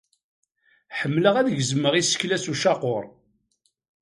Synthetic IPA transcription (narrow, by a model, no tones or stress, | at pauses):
ħəmːləʁæðəʝzmːəʁisə̥çlæsuʃɑqoɾˤ